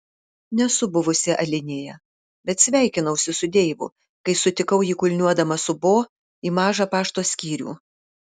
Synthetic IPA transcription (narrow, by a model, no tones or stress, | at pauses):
nʲɛsʊbʊʋʊsʲeʔɐlʲɪnʲeːjɛ | bʲɛt̪sʲʋʲæˑɪkʲɪnɐʊsʲɪsʊd̪ʲeːʋʊ̰ | kɐɪsʊt̪ʲɪkɐʊjiːkʊlʲnʲuɔd̪ɐmɐsʊboː | iːmɑːʒɑpɑːʃt̪oːsʲkʲiːɾʲṵː